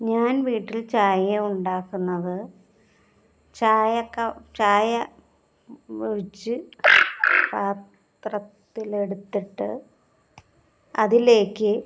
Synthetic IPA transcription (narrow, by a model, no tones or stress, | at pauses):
ɲaːnʋiːʈːilt͡ɕaːjeuɳɖaːkːunːɐðɨ | t͡ɕaːjɐkːɐt͡ɕaːjɐ | ʋeɻit͡ɕːɨ | paːt̪ | rɐt̪ːileɽut̪ːiʈːɨ̰ | ɐðile̞ːkːɨ